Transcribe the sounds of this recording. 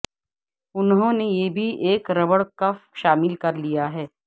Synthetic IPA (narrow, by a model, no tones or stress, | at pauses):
ʊnɦõːnejeːbʱiʔeːkɾɐbəɽkɐfʃaːmɪlkɐɾlijaɦɛː